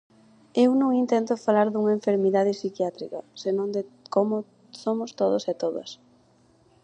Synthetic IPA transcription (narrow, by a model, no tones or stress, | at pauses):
ewnõŋint̪ɛnt̪ʊfalaɾðuŋɐeɱfeɾmiðað̞ɪsikjat̪ɾḭkɐ̰senõŋd̪ɪkomʊ | somʊst̪oðʊsɛt̪oðɐ̰s